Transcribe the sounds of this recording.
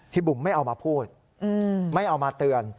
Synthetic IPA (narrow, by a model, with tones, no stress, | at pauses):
t̪ʰi˧˩bu˨˩mːa˥˩jʔa˧wmaː˧pʰuː˥˩t̪̚ | ʔɯː˧ma˥˩jʔa˧wmaː˧t̪ɯ˧ən